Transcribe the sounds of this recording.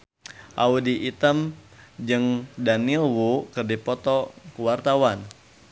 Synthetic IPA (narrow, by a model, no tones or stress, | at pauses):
ʔaudiʔit̪əmd͡ʒɨŋdanilwukərdipɔt̪ɔkuwart̪awan